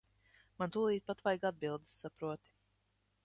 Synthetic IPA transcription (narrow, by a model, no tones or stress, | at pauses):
mant̪ulˠiːt̪̚pat̪vajɡad̪̚bilˠd̪ɨ̥sːapɾuɔt̪i̥